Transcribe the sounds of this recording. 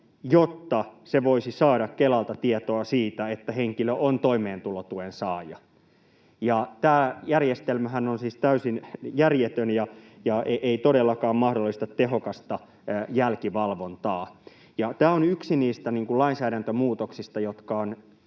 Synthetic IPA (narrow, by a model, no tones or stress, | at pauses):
jot̪ːɑseʋoisisɑːɾɑkkelɑlt̪ɑt̪iet̪oɑsiːt̪æet̪ːæheŋkiløʔont̪oimeːnt̪ulot̪uensɑːjɑ | jɑt̪æːjærjest̪elmæɦænonsiːst̪æysinjærjet̪ønjɑ | jɑeʔeit̪odelːɑkɑːmmɑhdolːist̪ɑt̪ːeɦokɑst̪ɑ | jælkiʋɑlʋont̪ɑː | jɑt̪æːonyksiniːst̪æniːŋkullɑinsæːɾænt̪ømuːt̪oksist̪ɑjot̪kɑon